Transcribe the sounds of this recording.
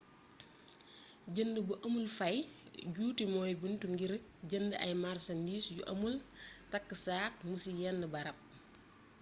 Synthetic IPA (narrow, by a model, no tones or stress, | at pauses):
ɟəndəbuʔɐmulfɐjɟuːtimɔːjbəntuŋɡiɾɟəndəʔɐ̰jmarsɐndiːsjṵʔɐ̰multɐkːəsaːk̚musijɛnːəbɐɾɐp̚